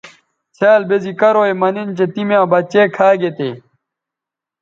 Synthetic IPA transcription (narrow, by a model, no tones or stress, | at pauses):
sʰaːlbezikɐɾoːemɐnint͡ɕet̪imjãːbɐt͡ɕeːkʰaːɡet̪ḛː